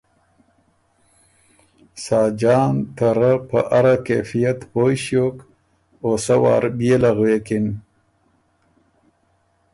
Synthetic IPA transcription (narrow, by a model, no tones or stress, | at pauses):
saːd͡ʒɑːnt̪aɾapa̰ʔaɾakḛfijat̪pojɕjoːk | oːsawɑ̰ːɾbjelaɣweːkin